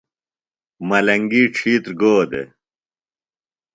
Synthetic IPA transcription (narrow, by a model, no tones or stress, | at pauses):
mɐlɐŋɡiːʈ͡ʂʰiːt̪ɾɡoːd̪ḛ